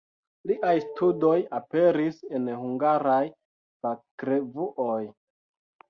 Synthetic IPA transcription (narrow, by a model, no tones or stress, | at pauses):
liʔajstudo̞jape̞ɾise̞nhuŋɡaɾaj | fakɾe̞vuʔoj